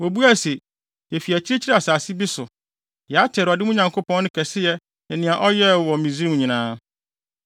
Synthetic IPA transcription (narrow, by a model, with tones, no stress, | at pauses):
wɔ˨bu˦æ˦˨se˨ | jɛ˨fi˨æ˨t͡ɕʰi˦ɾe˦t͡ɕʰi˦ɾɛ˦a˨saː˨sɪ˦bi˦sʊ˨ | jɛ˨a˦tʰɛ˨ɾɪ˨ɔ˨dɪ˦ũ˦ɲã˨ŋkʰo˦pʰɔ̃˦nʊ̃˦kʰɛ˨sɪ˦jɛ˦ | ɛ˨nɪ̃˨ã˨ʔɔ˦jɛ˦wɔ̃˨mĩ˨zĩ˦˨ɲĩ˨nãː˦